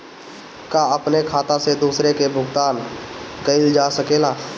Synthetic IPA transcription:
kaəpnekʰaːt̪ãsed̪uːsɾekebʱʊɡt̪aːnkəɪld͡ʒaːsəkeːlaː

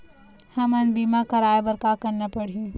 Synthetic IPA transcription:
hɐmɐnbiːmakɐɾaːebɐɾkakɐɾnapɐɽ̤ijũ

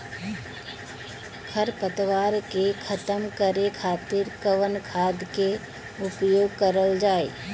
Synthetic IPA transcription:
kʰəɾpət̪ʋaːɾkekʰət̪əmkəɾekʰaːt̪ɪɾkəʋənkʰaːd̪ke | ʊpjoːɡ̚kəɾəld͡ʒaːḛː

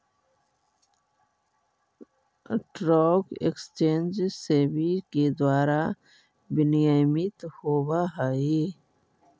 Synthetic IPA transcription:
ʈɾɔːkḛkst͡ʃeːnd͡ʒseːbiked̪waːɾa | bɪnijamit̪hoːwaɦai

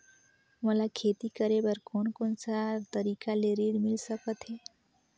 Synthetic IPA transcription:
məlakʰeːt̪ikəɾebəɾkoːnkoːnsat̪əɾiːkaleɾiɽmɪlsəkət̪ɦɛː

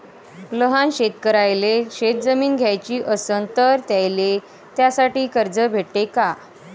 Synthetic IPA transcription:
ləɦanɕet̪kəɾajleɕet̪̚d͡zəmiːnɡʱjajt͡ɕiːʔəsənt̪əɾt̪jajle | t̪jasaʈiːkəɾd͡zəbʱeʈʈ̪eka

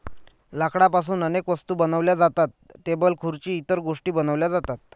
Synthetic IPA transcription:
lakɽapas̬uːnənekʋəst̪uːbənəʋljad͡zat̪at̪ːebəlkʰuɾt͡ɕiːt̪əɾɡoʂʈiːbənəʋljad͡zat̪at̪̚

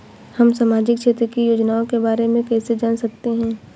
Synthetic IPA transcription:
hɐmsaːmaːd͡ʒɪkt͡ʃʰeːt̪ɾəkijoːd͡ʒnaːõkebaːɾemẽkɛːsed͡ʒaːnsɐk̚t̪eɦɛ̃ː

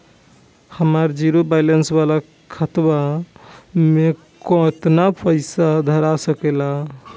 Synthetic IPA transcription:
həmaɾd͡ʒiɾobajlənsbala | kʰːət̪ba | me | kɔt̪napʰəɪsad̪ʱəɾasəkela

